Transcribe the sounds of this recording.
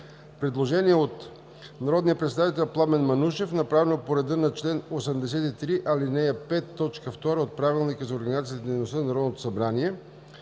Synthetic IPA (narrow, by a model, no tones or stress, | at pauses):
pɾɛd̪lˠoʒɛniɛot̪ | nɐɾɔd̪nijəpɾɛt̪sɛd̪avit̪ɛlʲplˠamɛnmɐnuʃɛfnɐpɾavɛnopoɾɛd̪ənɐt͡ʃlɛnosɐmd̪ɛs̬ɛt̪it̪ɾiʔɐlinɛjɐpɛt̪ːɔt͡ʃkəft̪ɔɾəot̪̚pɾavilˠnikəzɐoɾɡənizat̪ijət̪d̪ɛjnost̪ənnɐɾɔd̪not̪o̥sɐbɾaniɛ